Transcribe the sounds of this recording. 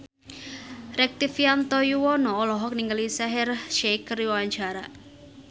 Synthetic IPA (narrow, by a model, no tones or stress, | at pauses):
ɾɛk̚t̪ifiant̪ɔjuwɔnɔːlɔɦɔk̚niŋɡəlisɛɦɛrʃɛkəɾiwawaɲt͡ʃaɾa